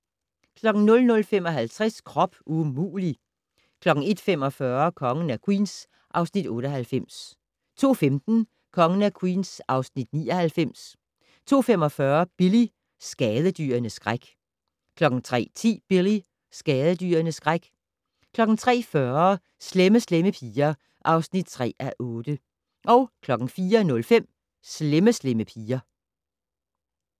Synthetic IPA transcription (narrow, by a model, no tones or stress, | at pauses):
kʰlɒ̽ɡ̥ŋ̩nɔ̽lnɔ̽lfem̰ɒ̽ɦælt͡sʰʁaskʰʁɒ̽b̥ʔumṵːli | kʰlɒ̽ɡ̥ŋ̩e̝d̥femɒ̽fɶɐkʰɒ̽ŋən̩ækʰwḭːns | ʔɑ̈ʊsnid̥ɔ̽ːɾ̥əɦælfem̰s | t͡sʰo̝̰ːfemd̥n̩ | kʰɒ̽ŋənækʰwḭːnsʔɑ̈ʊsnid̥niːɒhælfem̰s | t͡sʰo̝̰ːfemɒ̽fɶɐb̥ili | sɡ̥ɛːð̞ˠəd̥y̰ːɐnəsɡ̥ʁaɡ̥ | kʰlɒ̽ɡ̥n̩t͡sʰʁɛ̰ːt͡sʰḭːb̥ili | sɡ̥ɛːðˠəd̥y̰ːɐnəsɡ̥ʁaɡ̥ | kʰlɒ̽ɡ̥n̩t͡sʰʁɛ̰ːfɶɐ | sleməsleməpʰiːɐ | ʔɑ̈ʊsnid̥̚t͡sʰʁɛ̰ːʔæʔɔ̽ːd̥ə | ʔɒ̽ʊkʰlɒ̽ɡ̥n̩fiːɐnɔ̽lfem̰ | sleməsleməpʰiːɐ